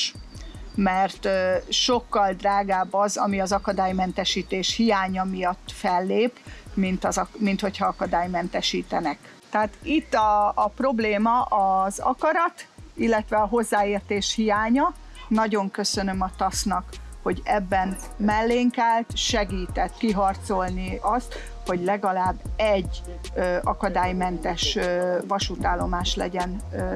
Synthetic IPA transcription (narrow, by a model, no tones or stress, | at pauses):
ʃ | mɛrt̪ːʃo̞kːɒld̪raːɡaːbːɒzɒmiɒzɒkɒd̪aːjmɛnt̪ɛʃiːt̪eːʃhijaːɲɒmijɒt̪ːfɛlːeːpmint̪ɒzɒmint̪ho̞chɒɒkɒd̪aːjmɛnt̪ɛʃiːt̪ɛnɛk | t̪ɛaːt̪it̪ːɒːpro̞bleːmɒʔɒzɒ̰kɒɾɒt̪ilːɛt̪ʋɛɒɦo̞zːaːeːrt̪eːʃhijaːɲɒ | nɒɟo̞ŋkø̞sønø̞mɒt̪ɒsnɒkho̞ɟɛbːɛnmɛlːeːŋkɛlt̪ʃɛɡiːt̪ɛt̪kiɦɒrt̪so̞lniɒst̪ | ho̞ɟlɛɡɒlaːbːɛɟː | øɒkɒd̪aːjmɛnt̪ɛʃøvɒʃut̪aːlːo̞maːʃlɛ̰ɟɛn